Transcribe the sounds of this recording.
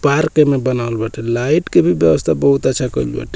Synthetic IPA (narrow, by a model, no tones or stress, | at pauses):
paɾkemebənaəlbəʈʰɛlaiʈkebʱibjəbəst̪ʰabəɦut̪ətːʃʰakəilbɛ̰ʈʰ